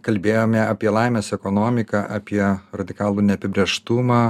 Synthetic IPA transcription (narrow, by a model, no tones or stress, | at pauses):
kɐlʲbʲeːjoːmʲɛɐpʲiɛlˠɐɪmʲeːsɛkɔnoːmʲɪkɑʔɐpʲiɛɾɐd̪ʲɪkɑːlˠuːnʲɛɐpʲɪbʲɾʲɛʃt̪ʊmɑː